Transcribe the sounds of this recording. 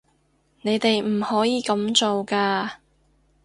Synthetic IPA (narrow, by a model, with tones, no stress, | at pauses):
ne˨˧jt̪e˨jm̩˨˩hɔː˨˥jiː˨˧kɐ˨˧˥mt͡so˨wkaː˧